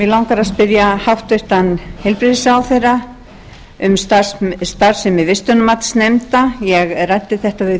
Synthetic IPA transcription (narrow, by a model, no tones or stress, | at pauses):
vɪlawŋkaɾaspɪðjahawht̪ʏht̪anhɛlpɾɪðɪsawθejra | ʏmst̪ast̪aɾ̥sɛmːɪðvɪst̪œnʏmat̪snejmt̪ajɛɣrajt̪ːɪθɛht̪avɪ